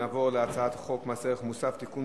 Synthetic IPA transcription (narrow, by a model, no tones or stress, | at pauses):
aːvo̞ʁleat͡saat̪ḁχo̞kmaseʁeχmusaft̪ikun